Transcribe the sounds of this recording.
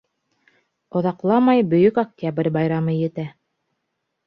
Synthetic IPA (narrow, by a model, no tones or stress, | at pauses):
ŏðɑqlˠɑmɑjbɵ̆jɵkak̚t̪ʲabrʲbɑjɾɑmɤjɘ̆t̪æ